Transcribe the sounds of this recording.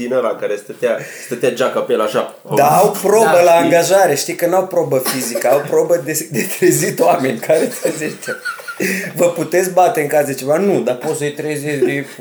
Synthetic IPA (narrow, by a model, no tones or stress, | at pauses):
inəɾakaɾest̪ət̪east̪ət̪ʲad͡ʒakapelaʃa | d̪aawpɾo̞bəlaːŋɡaʒaɾeʃt̪ikənawpɾobəfizikəawpɾobəd̪ed̪et̪ɾezit̪wamenʲkʰaɾet̪ezeʃt̪a | vəput̪e̞t̪sʲbat̪e̞ɨŋkasd̪et͡ʃe̞vanud̪apot̪səjt̪ɾezesd̪e